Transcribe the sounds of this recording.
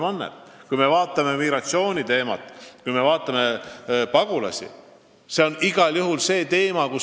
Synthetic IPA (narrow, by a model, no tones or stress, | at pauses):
mɑnːḛt̪kujme̞vɑːt̪ˑːɑme̞miɡɾɑt̪sio̞ːnʲit̪e̞ːmɑ̰t̪ːˑkujme̞vɑːt̪ːˑɑme̞pɑɡ̥ulɑ̰sʲḭ | se̞o̞niɡ̥ɑljuɦulse̞ːt̪e̞ːmɑku